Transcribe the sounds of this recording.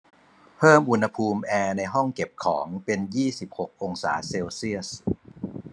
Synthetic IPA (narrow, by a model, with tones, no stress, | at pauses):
pʰɤː˥˩mʔu˧nha˧pʰuː˧mʔɛː˧na˧jɦɔ˥˩ŋke˨˩p̚kʰɔː˩˦ŋpe˧njiː˥˩si˨˩p̚ho˨˩k̚ʔo˧ŋsa̰ː˩˦seː˧wsi˥˩əs